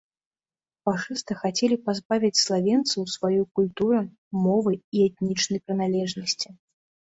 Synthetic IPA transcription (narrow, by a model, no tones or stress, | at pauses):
faʂɨst̪ɨxat͡sʲɛlʲipazbavʲit͡sʲslˠavʲɛnt̪sɨwsvajujkulʲt̪uɾɐ | mɔvɨiɛt̪̚nʲit͡ʂnɐjpɾɨnalʲɛʐnɐsʲt͡sʲi